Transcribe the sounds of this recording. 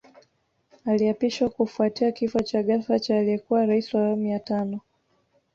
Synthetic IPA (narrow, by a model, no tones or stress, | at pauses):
aliapiʃwakufuatiakifɔt͡ʃaɠafat͡ʃaːliɛkuwaɾaisiwawamiatanɔ